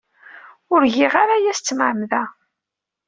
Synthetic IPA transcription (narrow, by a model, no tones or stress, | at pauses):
ʊɾʝiʁaɾajæst͡sːmʕəmðæ